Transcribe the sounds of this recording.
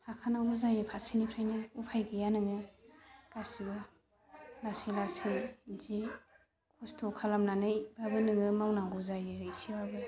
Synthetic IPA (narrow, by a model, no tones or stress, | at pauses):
hakʰanawɡɔzajɯpʰasinipʰɾajnɯupʰajɡɯjanɯŋɯ | kasiɡɯ | lasilasijzi | kʰustʰokʰalamnanɯjbabɯnɯŋɯmawnaŋɡɔzajɯhɯjsiwabɯ